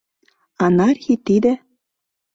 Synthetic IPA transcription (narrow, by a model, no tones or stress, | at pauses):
ɑnɑrxʲit̪id̪ɘ̆